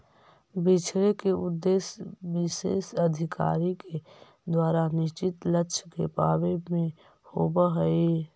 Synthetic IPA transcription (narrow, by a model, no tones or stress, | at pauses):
bɪt͡ʃʰɾekeʊd̪ːeːsʋɪsḛːsəd̪ʱɪka̰ːɾike | d̪waːɾanɪʃt͡ʃɪt̪ləkːt͡ʃʰkepaːbemẽ | hoːbaɦəe